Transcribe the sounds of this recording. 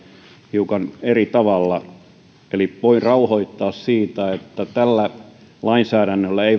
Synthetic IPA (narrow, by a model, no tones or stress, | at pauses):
hiukɑnerit̪ɑʋɑlːɑ | eliʋoinrɑuhoit̪ːɑːssiːt̪æet̪ːæt̪ælːæ | lɑinsæːɾænːølːæei